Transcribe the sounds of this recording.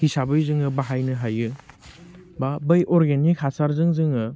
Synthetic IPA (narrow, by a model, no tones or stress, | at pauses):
kisabɯjzɯŋɯbaɦajnɯɦajɯ | babɯjʔɔɾɡenikhasaɾzɯŋzɯŋɯ